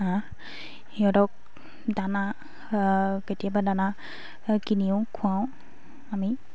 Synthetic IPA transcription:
ã | ijɔdɔk̚ | dana | ketijabadana | kiniʊ̃kʰũãw̃ | ami

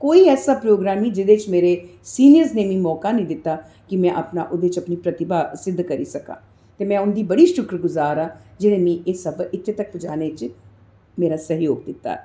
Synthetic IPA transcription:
koːiɛːsaːpɾoːɡɾaːmĩd͡ʒɪd̪eːt͡ʃmeːɾesiːnijəɾsneːmĩːmɔːkaːnəĩːd̪ɪt̪ːaː | kɪmɛ̃ʔəpnaːʔʊd̪eːt͡ʃɐpniːpɾət̪ɪbaːsɪd̪ːkəɾiːsəkã̰ː | t̪eːmɛ̃ːʊnd̪iːbəɽiːʃʊkɾɡʊzaːɾãːd͡ʒɪnẽːmĩʔeːsəbɪt̪ʰːet̪ək̚pʊd͡ʒaːnet͡ʃ | meːɾaːsəɦjoːɡ̚d̪ɪt̪ːa̰ː

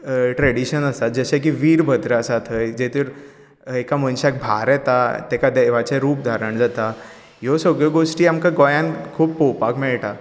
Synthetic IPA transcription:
ʈɾeɽiɕənəst̪at̪̚d͡zəɕak̬iʋiːɾbʱəd̪ɾasat̪ʰəjd͡ʑet̪əɾ | ekamənɕak̚bʱaɾɛt̪at̪ɛkad̪əjʋ̤at͡ɕeɾuːp̚d̪ʱaɾəɳd͡zat̪a | josəɡɭəɡoʂʈiːamkaɡɔjãnkʰuːppowpakmɛɭʈa

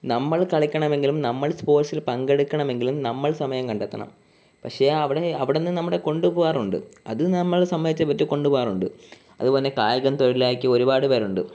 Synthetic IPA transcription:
nɐmːɐɭkɐɭikʲːɐɳɐme̞ŋɡilumnɐmːɐɭspo̞ːrsilpɐŋɡeɽukʲːɐɳɐme̞ŋɡilumnɐmːɐɭsɐmɐjɐmkɐɳɖɐt̪ːɐ̰ɳɐ̰m | pɐkʂeɐʋiɽe̞ɐʋiɽenːɨnɐmːuɽe̞ko̞ɳɖuboːaːruɳɖɨ̰ɐðɨnɐmːɐɭsɐmːɐðit͡ɕːɐpːɐtːuko̞ɳɖuboaːruɳɖɨ | ɐ̰ðubo̞ːlːe̞kaːjɐɣɐnt̪oɻilaːkʲːɨo̞ɾubaːɽɨpɐɾuɳɖɨ

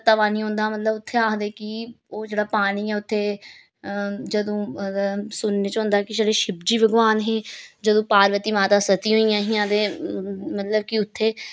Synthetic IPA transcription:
t̪aʋaːniːɦõːnd̪aːmət̪ləbʊt̪ʰːeaːkd̪eːkɪ | oːd͡ʒeːɽaːpaːɽ̃iːɛːʊt̪ʰːeː | d͡ʒəd̪õː | sʊnːeːt͡ʃõːnd̪aːkɪd͡ʒeːɽeːʃɪbd͡ʒiːʋəɡʋaːnɦẽːd͡ʒəd̪õːpaːɾʋət̪iːmaːt̪aːsət̪iːɦoːijãːɦijãːd̪eːmət̪ləb̚kɪʊt̪ʰːeː

